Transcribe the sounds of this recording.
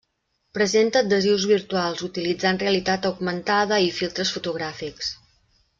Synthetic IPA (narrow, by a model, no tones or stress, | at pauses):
pɾəzent̪əd̪əziwzβiɾt̪ualˠzut̪ilid͡zanreəlit̪at̪əwɡmənt̪aðəifilˠt̪ɾəsfut̪uɣɾafiks